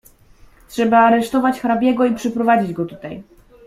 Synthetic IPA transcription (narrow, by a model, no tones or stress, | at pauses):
tʂɛbaːɾɛʂt̪ɔvat͡ɕxɾabʲjɛɡɔipʂɛpɾɔvad͡ʑid͡ʑɡɔt̪ut̪aj